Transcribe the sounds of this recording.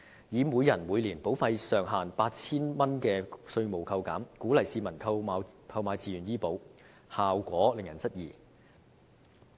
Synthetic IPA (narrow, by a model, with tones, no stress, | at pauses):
jiː˨˧muː˨˧jɐ˨˩nmuː˨˧jliː˨˩npo˨˥wfɐ˧jsœː˨˩ŋɦaː˨˩npaː˧t̚t͡sʰiː˥nmɐ˥nkɛː˧sɵ˧ɥmo˨˩wkʰɐ˧wka̰ː˨˥mkuː˨˥lɐ˨˩jsiː˧mɐ˨˩nkʰɐ˧a˨˧kʰɐ˧wmaː˨˧jt͡siː˨jyː˨˩njiː˥po˨˥w | haː˨wkʷɔː˨˥lɪ˨ŋjɐ˨˩nt͡sɐ˥t̚jiː˨˩